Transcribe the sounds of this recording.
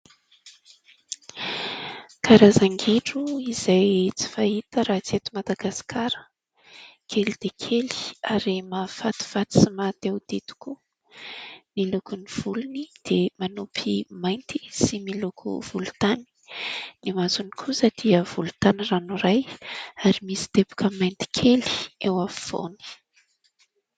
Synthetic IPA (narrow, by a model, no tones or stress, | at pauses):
kʰaɾazaŋɡiʈ͡ʂuizajt͡si̥fait̪əɾat͡set̪umad̪aɡasi̥kʰaɾə̥ | kʰelid̪̥ekʰeli̥aɾimafat̪i̥fat̪i̥simat̪ewd̪̥et̪u̥ku | nilukuniv̥ulunid̪̥emanupʰimajnt̪i̥similukʰṵv̥ulut̪ani̥nimazuni̥kʰusad̪̥iəv̥ulu̥t̪anranuɾajaɾimisi̥t̪ebu̥kʰəmajnt̪i̥kʰeli̥ewaffo̰ni̥